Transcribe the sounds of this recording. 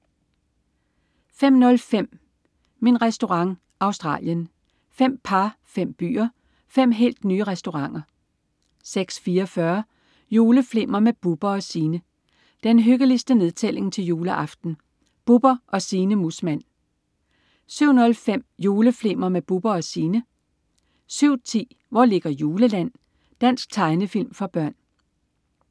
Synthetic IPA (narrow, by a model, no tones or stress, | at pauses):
fem̰nɔ̽lfem̰ | minʁɛsd̥o̝ʁɑ̈ŋ | ʔɑ̈ʊsd̥ʁɑ̰̈ːljən | fem̰pʰɑ̈fem̰b̥y̰ːɐ | fem̰ɦe̝̰ːld̥nyːəʁɛsd̥o̝ʁɑ̈ŋ̰ɐ | seɡ̥sfiːɐɒfɶɐ | jo̝ːləfle̝m̰ɐmeb̥ub̥ɐɒ̽siːnə | d̥enɦøɡ̥əlisd̥əne̝ð̞ˠt͡sʰel̰e̝ŋt͡sʰe̝ljo̝ːləʔɑ̈fd̥n̩ | b̥ub̥ɐʔɒ̽siːnəmusmæn̰ | syʊ̰nɔ̽lfem̰jo̝ːləfle̝m̰ɐmeb̥ub̥ɐɒ̽siːnə | syʊ̰t͡sʰḭː | ʋɒle̝ɡ̥ɐjoːləlæn̰ | d̥æn̰sɡ̥̚t͡sʰɑ̈ɪnəfil̰mfɑ̈b̥ɶɐ̰n